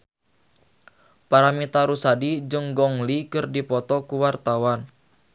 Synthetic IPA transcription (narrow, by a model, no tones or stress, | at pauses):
paɾamit̪aɾusadid͡ʒəŋɡɔŋlikɨrdipɔt̪ɔkuwart̪awan